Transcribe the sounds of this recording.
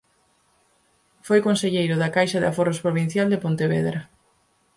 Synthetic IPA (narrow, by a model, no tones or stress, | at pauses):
fojkõnseʎejɾʊðakajʃɐðeɪaforospɾoβin̟θjald̪epont̪eβeðɾa